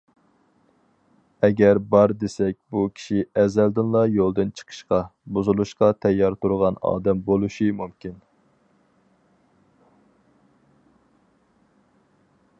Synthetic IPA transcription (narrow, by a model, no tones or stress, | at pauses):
ɛɡʲɛɾbɑɾd̪esɛk̚ʲbukʲʰi̥ʃiɛzɛld̪ɪnlˠɑjolˠd̪ɨnt͡ʃʰə̥qʰə̥ʃqɑbuzulˠuʃqɑt̪ʰɛjːɑɾt̪ʰuɾʁɑnɑ̰ːd̪ɛmbolˠuʃɨmumkʲin